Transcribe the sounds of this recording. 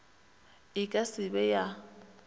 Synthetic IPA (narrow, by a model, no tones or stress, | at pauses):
ɪkʼasɪbɛja